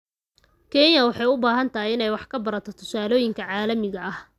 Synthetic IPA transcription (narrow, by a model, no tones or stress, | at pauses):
kʰɛnjɐwɑħɑjʊbaːɦɐnt̪ʰɐɦijɪnɛjwɑħkʰɐbɐɾɐt̪ʰɔt̪ʰʊ̥saːlɔːjɪŋkʰɐʕɑːlɐmɪɣɐʔɐh